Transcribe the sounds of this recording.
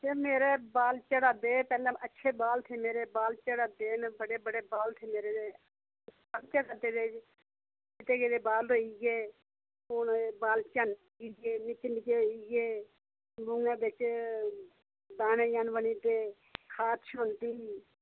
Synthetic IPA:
d͡ʒeːmeːɾeːbaːlt͡ʃəɽaːd̪eːpɛːlãːʔətːʃʰeːbaːlt̪ʰeːmeːɾeːbaːlt͡ʃəɽaːd̪eːnbəɽeːbəɽeːbaːlt̪ʰeːmeːɾeːeː | ənt͡ʃaːkəd̪eːd̪eː | d͡ʒɪt̪eːkeːd̪eːbaːlɦoːiːɡeː | oːnbaːlt͡ʃan | iɡeːnɪt͡ʃːnɪkeːɦoːiɡeː | bʊŋãːbɪt͡ʃ | d̪aːnẽːjaːnʋəɳiːt̪eː | kʰaːt̪ʰʃoːnt̪iː

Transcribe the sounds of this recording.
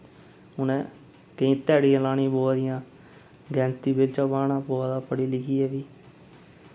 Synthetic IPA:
ʊnɛ̃ː | kəĩːt̪ɛːɽiːãːlaːnĩːboːad̪ɪjãː | ɡɛ̃ːnt̪iːbɪlt͡ʃaːbaːnãːboːaːd̪aːpəɽiːlɪkiːɛːʋiː

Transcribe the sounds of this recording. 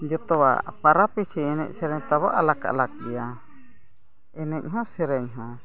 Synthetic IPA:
d͡ʒɔt̪ɔwa̰paɾapit͡ʃiɛnɛ̰c̚sɛɾɛɲt̪aβɔʔalaka̰ʔlak̚dija | ɛnɛɲ̚ˀɦɔ̃sɛɾɛɲɦɔ̃

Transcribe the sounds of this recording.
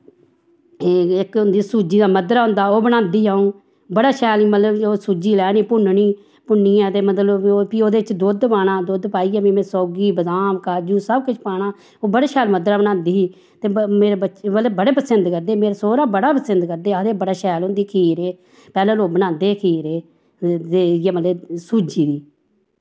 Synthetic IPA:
ɪkʊnd̪iːsuːd͡ʒiːd̪aːməd̪ɾaːɦʊ̃nd̪aːoːbənãːnd̪iːaːũː | bəɽaːʃɛːliːmət̪ləboːsuːd͡ʒiːlɛːniːpʊnɳiː | pʊnːiːãːt̪eːmət̪ləpioːd̪eːɪt͡ʃd̪oːd̪paːɽ̃aːd̪oːd̪paːiːɛːbiːmẽːsɔːɡiːbəzaːmkaːd͡ʒũːsəbkʊt͡ʃʰpaːɽaː | oːbəɽaːʃɛːlməd̪ɾaːbənãːnd̪iːɦiː | t̪eːmeːɾebəələbəɽeːpəsənd̪kəɾd̪eːmeːɾasoːɾaːbəɽaːpəsɪnd̪kəɾd̪eːəd̪eːbəɽaːʃɛːlʊnd̪iːkʰiːɾeː | pɛːlãːloːbənãːnd̪eːkʰiːɾeː | t̪eːjaːmət̪ləsuːd͡ʒiːd̪iː

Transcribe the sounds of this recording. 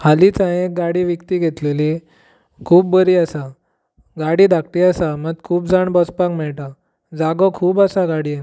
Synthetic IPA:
halit͡sãẽek̚ɡaɽiʋəkt̪iɡʱet̪leli | kʰuːbːəɾiasa | ɡaɽid̪ʱakʈ̪iasaməɡ̪̚kʰuːpd͡zaɳbɔspakmɛɭʈa | d͡zaɡɔkʰuːbasaɡaɽi

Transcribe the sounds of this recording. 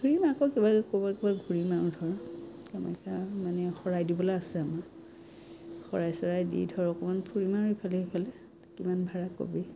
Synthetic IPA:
ɡʱuɹimakɔkibakobɔkibaɡʱuɹimaɹudʱɔɹkama̰kamanɛxɔɹajdibɔlaasɛama | xɔɹajsɔɹajdḭdʱɔɹɔkɔmanpʰuɹimaɹipʰalɛipʰalɛ | kimanbʱaɹako̰bi

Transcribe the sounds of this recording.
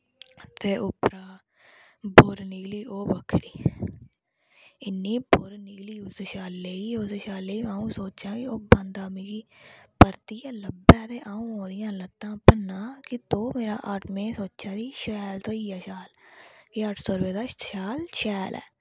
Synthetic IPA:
t̪eːʔʊpɾaː | boːɾnɪkliːʔoːbəkʰɾiː | ɪnːĩːboːɾnɪɡliːʊseʃaːlːeːiːoːseʃaːlːeːiːaːũːsoːt͡ʃãːkɪoːbə̃nd̪aːmĩːkiːpəɾt̪iːaːləbɛːt̪eːʔaːũːɦõːd̪ɪjãːlət̪ːãːpənːãːkɪt̪oːmeːɾa̰ːʔəʈʰmẽːsoːʃaːd̪iːʃɛːlt̪oːiːaːʃaːlkɪəʈʰsoːɾʋeːd̪aːʃaːlʃɛːlʔɛ̰ː

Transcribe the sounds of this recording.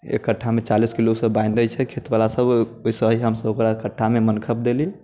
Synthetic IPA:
ḛkːəʈʰːamet͡ʃaliskilosəbãĩnd̪ət͡ʃʰɛkʰet̪balasəboisəɦiɦəmsəbokɾakəʈʰːamemənkʰəp̚d̪eli

